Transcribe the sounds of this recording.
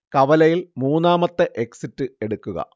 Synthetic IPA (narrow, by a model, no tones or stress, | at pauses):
kɐʋɐlɐjilmuːnːaːmɐt̪ːeʔe̞ksitːɨe̞ɽukːuɣɐ̰